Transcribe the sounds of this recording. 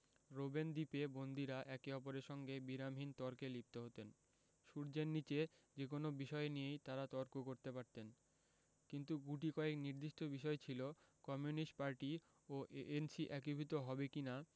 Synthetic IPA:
ɾobend̪ipebond̪iɾaʔɛkeɔpoɾeɾʃɔŋɡebiɾamɦint̪ɔɾkelip̚t̪eɦot̪en | ʃuɾd͡ʑenːit͡ɕed͡ʑek̬onobiʃɔenijejt̪aɾat̪ɔɾkokoɾt̪epaɾt̪en | kint̪uɡuʈ̬ikɔekniɾd̪iʃʈobiʃɔet͡ɕʰilokɔmjunisʈ̚paɾʈi | oʔeʔensiʔɛkibʱit̪oɦɔbekina

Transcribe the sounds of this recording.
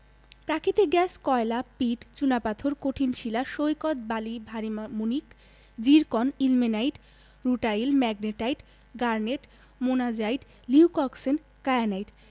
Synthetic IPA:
pɾakʰit̪eɡɛskɔelapiʈt͡ɕunapat̪ʰoɾkoʈʰinʃilaʃojkɔt̪̚balibʱaɾimunik | d͡ʑiɾkɔnilminajʈ | ɾuʈajlmɛɡneʈajʈ | ɡaɾneʈ | monad͡ʑajʈ | liukɔksen | kajanajʈ

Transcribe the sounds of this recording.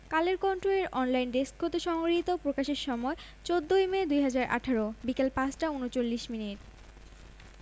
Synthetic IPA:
kaleɾkɔnʈɾoleɾɔnlajnɖeskʰːot̪eʃɔŋɡɾit̪opɾokaʃeɾʃɔmɔe | t͡ɕod̪ʱːojmed̪ujɦad͡ʑaɾʔa̰ʈʰaɾobikelpat͡ɕʈaunot͡ɕolːiʃminiʈ

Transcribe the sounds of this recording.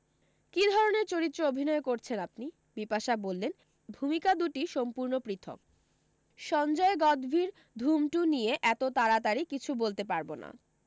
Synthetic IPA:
kid̪ʱɔɾoneɾt͡ɕoɾit̪ːɾoobʱinɔekoɾt͡ɕʰenap̚ni | bipaʃabolːen | bʱumikad̪uʈiʃɔmpuɾnopɾit̪ʰo̰k̚ | ʃɔnd͡ʑɔeɡɔd̪bʱiɾ | d̪ʱumʈunijeʔɛt̪ot̪aɾat̪aɾikit͡ɕʰubolt̪epaɾbona̰

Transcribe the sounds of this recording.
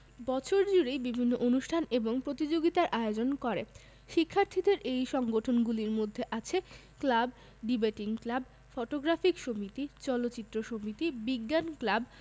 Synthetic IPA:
bɔt͡ɕʰoɾd͡ʑuɽejbibʱinːoʔonuʃʈʰaneboŋpɾot̪id͡ʑoɡit̪aɾʔaeod͡ʑonkɔɾe | ʃikʰːaɾt̪ʰid̪eɾʔejʃɔŋɡoʈʰonɡuliɾmod̪ʱːeʔat͡ɕʰe | klab | ɖibaʈiŋklab | foʈoɡɾafikʃomit̪it͡ɕɔlotːɕit̪ːɾoʃomit̪ibiɡːanklab

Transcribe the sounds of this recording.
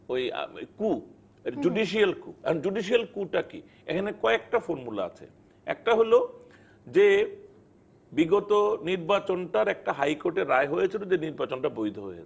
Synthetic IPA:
oja̰jku | ed͡ʑuɖiʃialkuɛod͡ʑuɖiʃ̬ialkuʈakḭ | ḛkʰanekɔek̚ʈafoɾmula̰a̰t͡ɕʰḛ | ɛ̰k̚ʈaɦolo | d͡ʑe | biɡot̪oniɾbat͡ɕonʈaɾɛk̚ʈaɦajkoɾʈeɾːaeɦojet͡ɕʰilod͡ʑeniɾbat͡ɕonʈabojd̪ʱoɦojḛe

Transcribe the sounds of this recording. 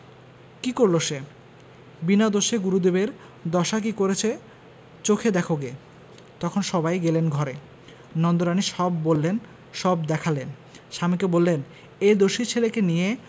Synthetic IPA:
kikoɾloʃe | binad̪oʃeɡuɾud̪ebeɾ | d̪ɔʃak̬ikoɾet͡ɕʰe | t͡ɕokʰed̪ɛkʰoɡe | t̪ɔkʰonʃɔbajɡelenɡʱɔɾe | nɔnd̪oɾaniʃɔbːolːen | ʃɔbd̪ɛkʰalen | ʃamikebolːen | ed̪oʃit͡ɕʰelekenije

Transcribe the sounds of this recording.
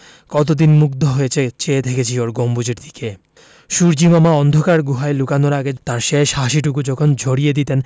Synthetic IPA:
kɔt̪̬od̪inmuk̚d̪ʱoɦoet͡ɕʰet͡ɕeet̪ʰekʰet͡ɕʰioɾɡombud͡ʑʱeɾd̪ʱi̥ke | ʃuɾd͡ʑimamaɔnd̪ʱokaɾɡuɦaelukanoɾaɡet̪aɾʃeʃaʃiʈ̬ukud͡ʑɔkʰond͡ʑʱoɽijed̪it̪en

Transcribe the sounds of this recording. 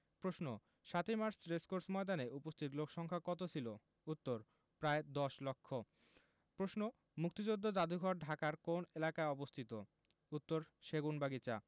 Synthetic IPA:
pɾosno | ʃat̪imaɾsɾeskoɾsmɔed̪aneupost̪ʰit̪lokʰʃɔŋkʰakɔt̪ot͡ɕʰilo | ut̪ːoɾ | pɾaed̪ɔʃlokʰːo | pɾosno | muk̚t̪id͡ʑod̪ʱːod͡ʑad̪ʱuɡʱɔɾɖʱakaɾkonelakaeɔbost̪ʰit̪o | ut̪ːoɾʃeɡunbaɡit͡ɕa̰

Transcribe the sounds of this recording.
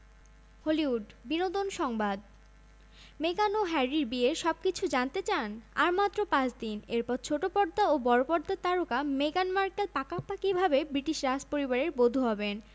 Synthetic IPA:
holiuɖ | binod̪onʃɔŋbad̪ | meɡanoɦɛɾiɾbieʃɔb̚kit͡ɕʰud͡ʑant̪et͡ɕanaɾmat̪ːɾopãt͡ɕd̪ineɾpɔɾt͡ɕʰoʈopɔɾd̪aobɔɾopɔɾd̪at̪aɾokameɡanmaɾkelpakapakibʱabebɾiʈiʃɾaspoɾibaɾeɾbod̪ʱuɦɔben

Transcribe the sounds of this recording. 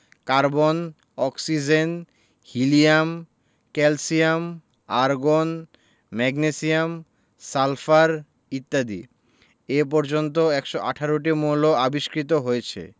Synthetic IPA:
kaɾbon | ɔksid͡ʑen | hiliam | kɛlsiam | aɾɡon | mɛɡnesijam | salfaɾ | it̪ːad̪ḭ | ep̬ɔɾd͡ʑont̪̬oɛkʃoʔa̰ʈʰaɾoʈ̬imoloabiʃkɾit̪̬oɦojet͡ɕʰḛ

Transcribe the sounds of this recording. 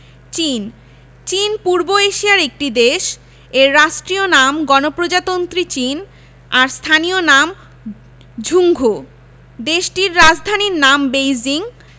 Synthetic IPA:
t͡ɕin | t͡ɕinpuɾboeʃiaɾek̚ʈid̪eʃ | eɾːaʃʈɾionamɡɔnopɾod͡ʑat̪ont̪ɾit͡ɕin | aɾst̪ʰanionam | d͡ʑʱuŋɡʱo | d̪eʃʈiɾːad͡ʑd̪ʱaniɾnambejd͡ʑiŋ

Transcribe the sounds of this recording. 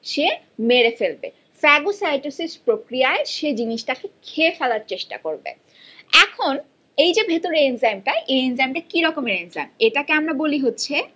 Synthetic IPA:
ʃe | meɾefelbḛ | fɛɡosajʈusispɾokɾijaeʃed͡ʑiniʃʈakekʰeefɛlaɾt͡ɕeʃʈa̰koɾbḛ | ɛkʰon | ejd͡ʑebʱet̪oɾeenzamʈaeʔeenzamʈakiɾɔkomeɾenza̰meʈakeamɾaboliɦotːɕʰe

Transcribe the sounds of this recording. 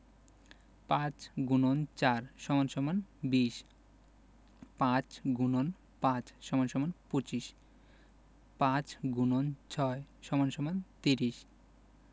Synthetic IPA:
pãt͡ɕɡunont͡ɕaɾʃɔmanʃɔmanbiʃ | pãt͡ɕɡunon | pãt͡ɕʃɔmanʃɔmanpot͡ɕiʃ | pãt͡ɕɡunont͡ɕʰɔeʃɔmanʃɔmant̪iɾiʃ

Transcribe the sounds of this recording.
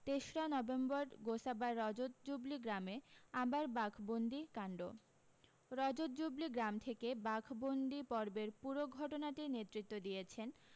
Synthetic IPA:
t̪eʃɾanɔbembɔɾɡosabaɾɔd͡ʑot̪̚d͡ʑubliɡɾameabaɾbakʰbond̪ʱikaɳɖo | ɾɔd͡ʑot̪̚d͡ʑubliɡɾamt̪ʰekebakʰbond̪ipɔɾbeɾpuɾoɡʱɔʈonaʈinet̪ːɾit̪ːod̪ijet͡ɕʰen

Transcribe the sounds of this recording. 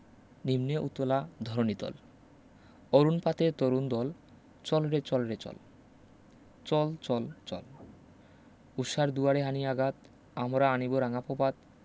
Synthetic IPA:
nimneʔut̪ːolad̪ʱɔɾonit̪ɔ̰l | oɾunpat̪et̪oɾund̪ɔl | t͡ɕɔlɾet͡ɕɔlɾet͡ɕɔ̰l | t͡ɕɔlt͡ɕɔlt͡ɕɔ̰l | uʃaɾd̪uaɾeɦaniaɡat̪ | amɾaaniboɾaŋapopat̪

